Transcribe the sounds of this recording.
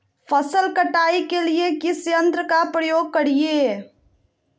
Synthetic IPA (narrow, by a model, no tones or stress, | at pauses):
pʰəsəlkəʈaːikeliekisjə̃nt̪ɾəkapɾəjoːɡ̚kəɽije